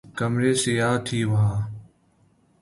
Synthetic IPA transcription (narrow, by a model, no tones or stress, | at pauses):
kəmɾeːsɪjaːt̪ʰiːʋaː